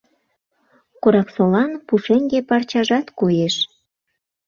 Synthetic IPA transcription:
koɾɑksolɑnpuʃeŋɡepɑrt͡ɕɑʒɑt̪kojeʃ

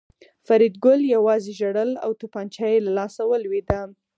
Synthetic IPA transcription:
faɾid̪̚ɡʊljawɑzeʒaɽəla̰wt̪opɑnt͡ʃɑjelalɑsawəlwed̪a

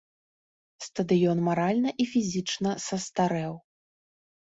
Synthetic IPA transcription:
st̪ɐd̪ɨjɔnmaɾalʲnɐʔifʲizʲit͡ʂnɐsɐst̪aɾɛw

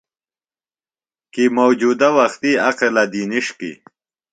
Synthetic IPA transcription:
kimowd͡ʒuːd̪awɐxt̪iaqelad̪iniʂkḭ

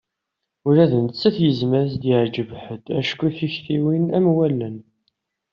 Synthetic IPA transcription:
ʊɾæðənt͡sːəθjəzmæɾθd̪iʕd͡ʒəvħəd̪æʃkːuθiçθiwinæmwælːən

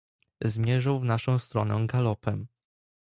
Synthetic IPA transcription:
zmʲjɛʐawvnaʂɔ̃w̃st̪ɾɔnɛɡalɔpɛm

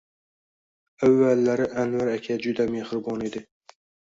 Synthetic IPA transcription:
avːalːaɾɪʔanvaɾakʲʰad͡ʒʊd̪amehɾɪbɒned̪ɪ

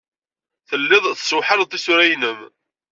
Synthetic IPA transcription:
θəlːɪðˤθswħəɾt̪ˤːisʊɾæjnəm

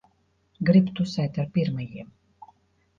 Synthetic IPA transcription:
ɡɾibt̪usɛjt̪aɾpiɾmɨjiɛm

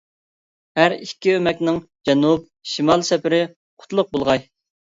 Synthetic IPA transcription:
hæɾikʲːiømɛkʲnɪŋd͡ʒɛnup̚ʃimɑlˠsɛpɪɾɪ | qʰʊ̥t̪lˠʊq̚bolˠʁɑj

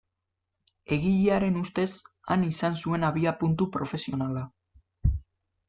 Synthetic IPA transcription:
e̞ɣiʎiaɾe̞nust̪e̞s | a̰nisansue̞naβiapunt̪upɾo̞fe̞sio̞nala

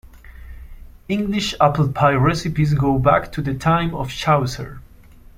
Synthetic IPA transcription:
ɪ̃ŋɡlɪʃapəl̩ˠpʰaɪɹɛsɨpizɡoʊbæktʰuðɨtʰãɪ̃mɔfʃawzə̰˞

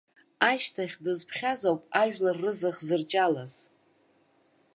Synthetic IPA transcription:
aʃtʰaχʲdɨzpʰχʲazowpʼaʒᶣlarːɨzaχzɨrt͡ʃʼalaz̥

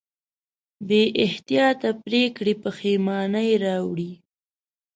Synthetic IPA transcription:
beʔɪht̪ijɑt̪apɾekɽipəxemɑnajɾɑwɽi

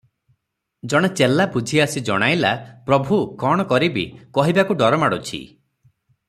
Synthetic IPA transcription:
d͡ʒɔɽ̃et͡ʃelabud͡ʒʱiasid͡ʒɔ̰ɽ̃ajla̰pɾɔbʱukɔɽ̃ɔkɔɾibikɔɦibakuɖɔɾɔmaɽut͡ʃʰḭ

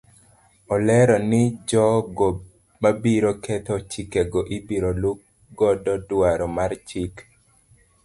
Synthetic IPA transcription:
ɔlɛɾɔnɪd͡ʒɔɡɔ | mabiɾokɛt̪ɔt͡ʃikɛɡɔʔibiɾoluk | ɡɔdɔdwaɾɔmart͡ʃik

